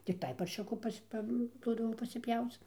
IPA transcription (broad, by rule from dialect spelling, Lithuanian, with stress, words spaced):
tʲɪkˈtɐɪ pɐrʲˈʃʲʊkʊ ˈpɐsʲ ˈpɐ ˈduɔdɐʋoː pɐsʲɪˈpʲjɛʊt͡s